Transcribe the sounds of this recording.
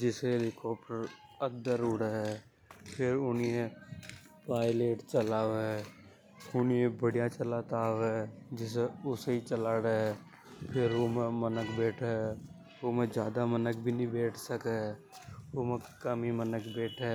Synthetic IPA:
d͡ʒɪseelɪkɔːp̚ʈəɾəd̪əɾuɽəɦɛ | pʰɪɾʊnie | paːɪleːʈt͡ʃəlaːʋɛ | ʊniẽbəɽijat͡ʃəlaːt̪aːwɛːd͡ʒɪs̬eʊseit͡ʃəlaːɾə | pʰɪɾoːmẽmənəkbeːʈʰɛ | omẽd͡ʒjaːd̪amənək̚bʱinəĩbeːʈʰsəke | oːmẽkəmimənəkbeːʈʰɛ

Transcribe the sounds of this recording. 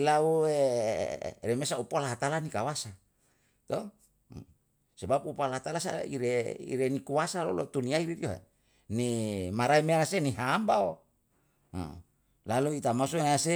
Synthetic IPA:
lauḛ | remesaupalaɦat̪alanikawasa | t̪o | sebapupalaɦat̪alasa̰ḭɾeḭɾenikuasalo̰lot̪uniaiɾiɾioɦḛ | nimaɾaimeanaseniɦambao̰ | laluit̪amas̬oease

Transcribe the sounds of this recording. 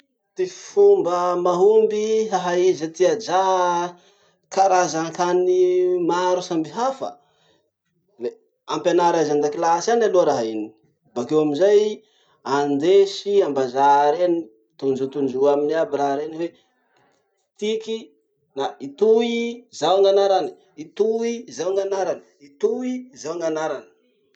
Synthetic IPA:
t̪ififumbəmaɦumbiɦaɦaizat̪iad͡ʒa | kaɾazaŋkanimaɾusambiɦafə̰ | le | ampanaɾazand̪akilasanaloɾaɦaini | bakewaminzaj | and̪esiambazaɾeni | t̪und͡ʒut̪und͡ʒuaminiabiɾaɦɾeniwe | t̪iki | nait̪uizawŋɡanaɾani̥ | it̪uizawŋɡanaɾanə̥it̪uizawŋanaɾanə̥

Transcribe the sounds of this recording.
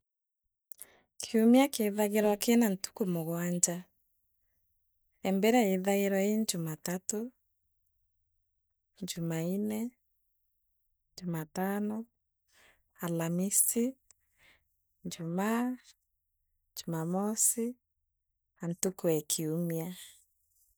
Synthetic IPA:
kʰiumiakeðaɣeɾwakenantu̥kumoɣwaɲd͡ʒa | ɛmbɛɾɛiðaeɾɔeɲd͡ʒumatato | ɲd͡ʒumainɛ | ɲd͡ʒumatanɔ | alamisti | ɲd͡ʒuma | ɲd͡ʒumamɔsi | antukwɛkʰiumia

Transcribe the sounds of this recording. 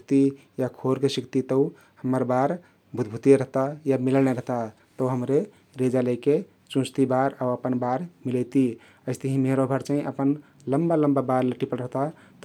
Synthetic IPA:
kt̪i | jakʰoɾkesikʰt̪it̪əw | həmːəɾbaɾ | bʱut̪bʱut̪eɾəɦt̪ajamiləneɾəɦt̪a | t̪əwɦəmɾe | ɾed͡ʒaləjke | t͡ʃũst̪ibaɾawəpənbaɾmilət̪i | əɪst̪əɦĩmeɾobʱəɾt͡ʃə̃ĩʔəpən | ləmbaləmbabaɾləʈipəɾɾəɦt̪a | t̪

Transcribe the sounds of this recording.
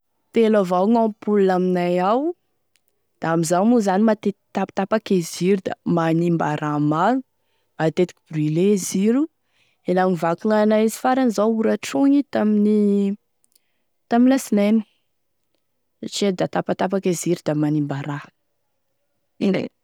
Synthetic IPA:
t̪elavawŋampulunaminajaw | d̪̥aamizawmuzanimat̪et̪api̥t̪apakeziɾud̪a̰manimbaɾʔamalu | mat̪et̪i̥ki̥brileziɾu | elanivakunanaizi̥faɾanizawuɾaʈ͡ʂoɲit̪amini | t̪aminlasinenu̥ | saʈ͡ʂid̪at̪apat̪apakeziɾud̪amanimbaɾa | ḛ

